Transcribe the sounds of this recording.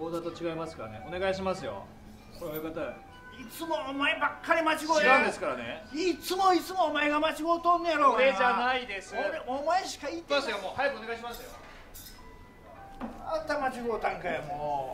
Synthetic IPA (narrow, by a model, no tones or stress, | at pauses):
oːd̪at̪o̞t͡ɕiɡaimasɨ̥kaɾa̰neone̞ɡaiɕimasɨjo̞̰ | koɾeβjokat̪a | it͡sɨmo̞ːmaebakːaɾʲimat͡ɕiɡoːiɡaɯ̃d̪e̞sɨ̥kaɾanḛit͡sɨmo̞it͡sɨmoːmaeɡamat͡ɕiɡoːt̪õnːjaɾoːed͡ʒanaid̪e̞sɨoɾeomaeɕi̥kait̪ːasɨjomoːhajpɯone̞ɡaiɕ̬imasɨjo̰ | at̪amat͡ɕiɡo̞ːt̪ãŋkajamo